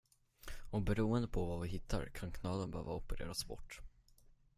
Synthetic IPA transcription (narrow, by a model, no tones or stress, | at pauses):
ɔbɛɾuːənd̪əpʰɔvavɪɦɪt̪ʰːa̰ɾkʰankʰnɑːd̪ənbɛhø̰ːvaʊpəɾḛːɾasbɔ̰ʈː